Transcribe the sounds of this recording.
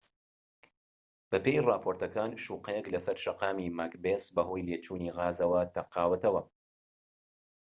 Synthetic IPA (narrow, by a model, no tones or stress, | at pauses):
b̥ɐpeːjrɑːpʰoːɾt̪ɐkaːnʃuːqɐjɛklɐsɐɾʃɐqɑːmiːmakbesbɐɦoːjleːt͡ʃuːniːɣaːzɐwɐt̪ʰɐqɑːwɐt̪ɐwɐ